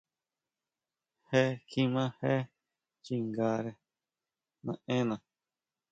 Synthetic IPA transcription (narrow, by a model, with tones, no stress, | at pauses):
he˦kʰi˧mã˦he˦ | t͡ʃi˧ŋɡa˧ɾe˧ | nã̰˧ʔẽ˦nã˨